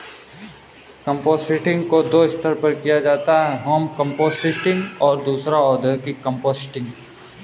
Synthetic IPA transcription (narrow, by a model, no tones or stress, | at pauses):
kɐ̃mpoːsɪʈɪ̃ŋɡkod̪oːɪst̪ʰəɾpəɾkijad͡ʒaːt̪aɦɛɦoːmkɐ̃mpoːsɪʈɪ̃ŋɡɔːɾd̪uːsɾaɔːd̪ʱəɾkikɐ̃mpoːsɪʈɪ̃ŋɡ